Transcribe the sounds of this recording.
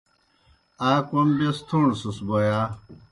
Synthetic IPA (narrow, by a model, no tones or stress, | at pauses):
aːkombest̪ʰuɳsusbojaː